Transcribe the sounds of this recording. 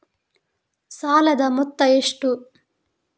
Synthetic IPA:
saːlɐd̪ɐmɔt̪ːɐeʂʈu

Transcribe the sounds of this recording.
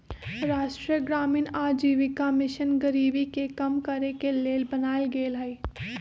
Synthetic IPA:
ɾaːʃʈɾiəɡɾaːmiːnaːɾd͡ʒiːʋikamɪʃənɡəɾiːbikekɐmkɐɾekeleːlbɐnaːlɡeːlɦai

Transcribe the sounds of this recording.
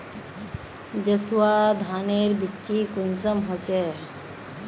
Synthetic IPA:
d͡ʒəswad̪ʱaneɾbitt͡ʃikunsəmɦɔt͡ʃe

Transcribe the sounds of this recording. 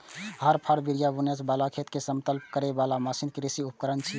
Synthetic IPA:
ɦəɾpʰəɾbiɾijabunjət͡ʃbalakʰet̪kesəmt̪əlp̚kəɾebalaməsinkɾisiup̚kəɾənt͡ʃʰi

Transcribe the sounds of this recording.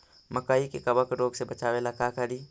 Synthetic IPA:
mɐkaːikekɐbəkɾoːɡsebɐt͡ʃaːʋelakakaɽiː

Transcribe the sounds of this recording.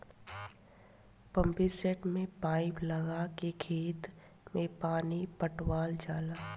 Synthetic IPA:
pə̃mpiseʈmẽpaːɪplɐɡakeɡʰʱiːt̪ | mẽpaːnipəʈwaːld͡ʒaːlaː

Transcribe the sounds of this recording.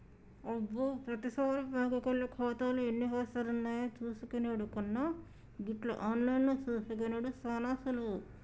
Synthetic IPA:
obːoːpɾɐt̪isɐːɾɐbaːɡɐkɐɭːɐkʰɔːt̪aːluenːiɦɔːsɐɾunːaːjat͡ʃuːsukɐneɽukunːɐ | ɡiʈlɐ̰ʔaːnlɐjnːot͡ʃuːsuk̬ɐneɽusɐːnaːsulu

